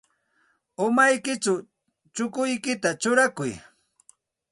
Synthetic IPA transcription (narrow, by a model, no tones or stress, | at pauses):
ʊmajkɪt͡ʃa | t͡ʃʊkʊjkɪt̪at͡ʃʊɾakʊj